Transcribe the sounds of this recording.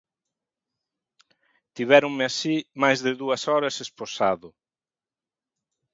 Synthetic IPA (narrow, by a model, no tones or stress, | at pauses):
t̪iβɛɾʊŋmɪasimajzðɪðuɐsɔɾɐsesposaðʊ